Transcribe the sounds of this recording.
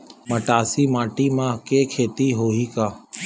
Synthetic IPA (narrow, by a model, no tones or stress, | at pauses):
mɐʈaːsimaːʈimãkekʰeːt̪iɦoːɦikaː